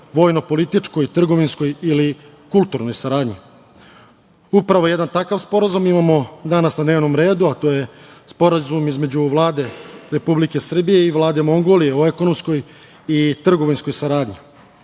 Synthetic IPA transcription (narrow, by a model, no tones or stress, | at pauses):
ʋo̞ːjno̞po̞lit̪it͡ʂko̞jt̪r̩ɡo̞ʋinsko̞jili | kulˠt̪uɾno̞jsaɾaːd̪ɲi | upɾaʋo̞jed̪ant̪akaʋspo̞ɾazumimamo̞d̪anasnad̪neːʋno̞mɾe̞ːd̪uat̪o̞ːje̞spo̞ɾazumizme̞d͡ʑuʋlˠaːd̪e̞ɾe̞publike̞sr̩bije̞iʋlˠaːd̪e̞mo̞ŋɡoːlijeoeko̞nomsko̞j | it̪r̩ɡo̞ʋinsko̞jsaɾaːd̪ɲi